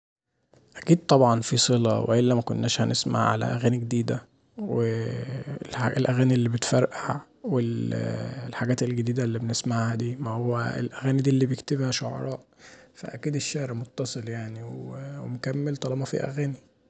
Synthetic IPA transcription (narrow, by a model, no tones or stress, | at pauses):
ʔækiːd̪̚t̪ˤɑbʕɑnfisˤelɑwḛʔelːæmækonːæːʃhænesma̰ʕʕa̰læ̰ʔæ̰ɣæːniɡed̪iːd̪æ | we | aelʔæɣæːniʔelːiːbet̪fæɾˤʔaæ | wel | lħaɡæːt̪elɡed̪iːd̪ælːibenesmaʕhæd̪iːmæhowːæ̰ḛlʔæɣæːnid̪iːlːiːbejekt̪ebhæʃoʕɑ̰ɾˤɑ̰ːʔfæ̰ʔækiːd̪eʃːæhɾmot̪ːɑsˤeljaʕniwwemokæmːelt̪ˤɑlɑbɑfḭʔæ̰ɣæːni